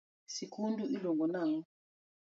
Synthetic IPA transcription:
sikʰunduilɔŋɡɔnaŋ̩

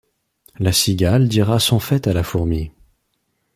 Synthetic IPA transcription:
lasiɡʲald̪iʁasɔ̃fɛt̪alafuʁmi

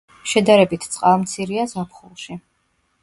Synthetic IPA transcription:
ʃɛd̪aɾɛbit̪ʰt̪sʼqʼavmt̪sʰiɾiazapʰχulˠʃi

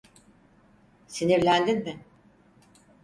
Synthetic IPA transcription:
siniɾlʲænd̪inmɪ

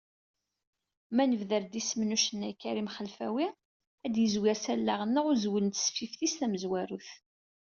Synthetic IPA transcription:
mænəvðəɾd̪ismnuʃənːækːæɾimχəlfæ̰wi | æd̪jəzwɪɾsælːaʁənːəʁʊɾzwəlt̪sfifθist̪æməzwæɾuθ

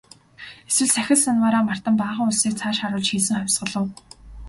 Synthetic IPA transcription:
eswɘ̆ɮsæxʲɪ̆ɮsanwaɾaːmar̥t̪ə̆mpaːʁə̆ŋʊɮsiːk̚t͡sʰaːʃaɾʊːɮt͡ɕxiːɮsɘ̆ŋχœwʲsɢə̆ɮə̆w

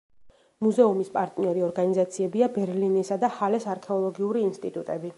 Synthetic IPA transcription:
muzɛumispʼaɾt̪ʼniɔɾiɔɾɡanizat̪sʰiɛbiabɛɾlinisad̪ahalɛsaɾkʰɛɔlˠɔɡiuɾiːnst̪ʼit̪ʼut̪ʼɛbi

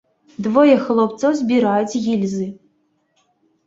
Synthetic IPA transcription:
d̪vɔjɛxlˠɔpt̪sɔwzʲbʲiɾajut͡sʲɣʲilʲzɨ

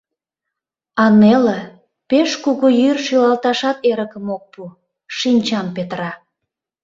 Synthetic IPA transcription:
ɑnelə̆ | peʃkuɣujyrʃylɑlt̪ɑʃɑt̪eɾəkəmok̚pu | ʃinʲt͡ɕɑmpet̪ɾɑ

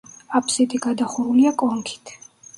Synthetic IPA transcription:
apʰsit̪ʼiɡad̪aχuɾuliakʼɔŋkʰi̥t̪ʰ

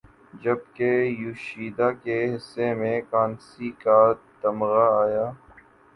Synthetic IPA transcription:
d͡ʒɐbkejuʃiːd̪aːkeɦɪsːemẽkaːnsikat̪ɐmɣaaːjaː

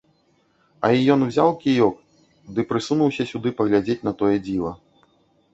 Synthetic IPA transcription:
ɐ̰ijɔnwzʲawkʲijɔk̚ | d̪ɨpɾɨsunuwsʲɐsʲud̪ɨpɐɣlʲad͡zʲet͡sʲnɐt̪ɔjɛd͡zʲilˠɐ

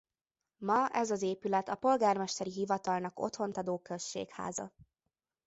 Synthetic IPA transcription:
mɒɛzɒzeːpylɛt̪ɒpo̞lɡaːrmɛʃt̪ɛɾiɦivɒt̪ɒlnɒko̞̰t̪ho̞nt̪ɒd̪oːkøsʃːḛːkha̰ːzɒ̰

